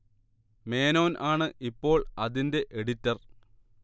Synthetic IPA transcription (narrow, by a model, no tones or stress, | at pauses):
me̞ːno̞ːnʔaːɳɨʔipːo̞ːɭɐðinde̞ʔeɽitːɐr